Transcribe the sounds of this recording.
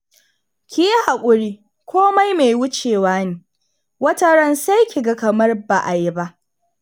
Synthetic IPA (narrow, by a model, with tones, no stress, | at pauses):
kʲɪ˨ji˦ha˨kʷʼʊ˨ɾiː˦ | kʷoː˦ma˦jmeː˨jwʊ˦t͡ʃeː˨waː˦neː˨ | wɐ˦tɐ˦ɽɐ˦nsa˦jkʲi˨ɡa˦kɐ˨mɐ˦rba˨ʔa˨ji˦ba˦ʔ